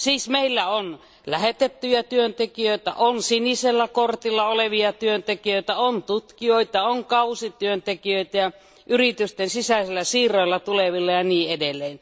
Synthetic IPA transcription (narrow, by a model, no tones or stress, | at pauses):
siːsmeilːæon | læhet̪et̪ːyjɑt̪yønt̪ekijøit̪æ̰ʔonsiniselːækort̪ilːɑoleʋiɑt̪yønt̪ekijøit̪æont̪ut̪kioit̪ɑoŋkɑusit̪yønt̪ekiøit̪æjɑ | ʔyrit̪yst̪ensisæˑselːˑæsiːrˑoilːɑt̪uleʋilːɑjɑniːedelːˑeːn